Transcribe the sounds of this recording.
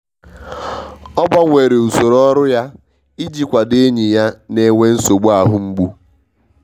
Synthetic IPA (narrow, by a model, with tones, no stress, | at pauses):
ɔ˦bɔ˦ŋʷe˨ɾe˨u˨so˨ɾɔ˦ɾʊ˦ja˦ | i˦d͡ʒi˦kʷa˨de˦e˦ɲi˨ja˦ne˦ŋʷe˦n̩˦so˨ɡ͡bu˦a˨ɦʊ˦ŋ͡m̩˦ɡ͡bu˦